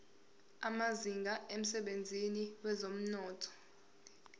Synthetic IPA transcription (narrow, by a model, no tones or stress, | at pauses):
amaziŋɡʱaʔem̩sɛɓend͡zʱiniwɛzom̩nɔːtʰɔ̥